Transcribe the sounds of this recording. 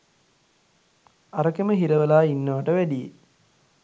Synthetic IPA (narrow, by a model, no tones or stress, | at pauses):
aɾəkeməɦiɾəʋəlaːinːəʋəʈəʋæɖijḛ